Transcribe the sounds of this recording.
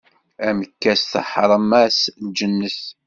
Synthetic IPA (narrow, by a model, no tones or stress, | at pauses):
æməkːæsθə̰ħɾˤəmæsd͡ʒənːəθ